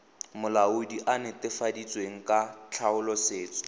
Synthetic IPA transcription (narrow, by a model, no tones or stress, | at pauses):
mʊlaʊdiʔanɪtɪfadit͡sʼweŋ̩kʼat͡ɬʰaʊlɔseːt͡sʼɔ̥